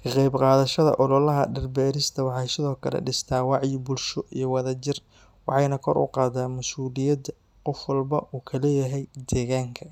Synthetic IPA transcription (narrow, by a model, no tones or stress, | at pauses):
kʰɐqɑjbqɑːðɐʃɐðɐ̰ʔɔlɔlɐɦɐ̰ɖɛrbɛːɾɪst̪ʰɐwɑħɑjsɪðɔːkʰɐlɛ̰ɖɪst̪ʰaːwɑʕjibʊlʃɔʔijɞwɑðɐt͡ʃɪr | wɑ̰ħɑjnɐkʰɔ̰ɾʔʊ̰qɑːd̪aːmɐsuːlɪjɐd̪ | qɔfwɑlbɐʔuːkʰɐlɛːjɐɦɛjd̪ɛːɣaːŋkʰɐ